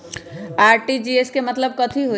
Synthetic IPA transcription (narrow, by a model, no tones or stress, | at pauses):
aːɾʈid͡ʒieskemət̪ləb̚kət̪ʰiɦo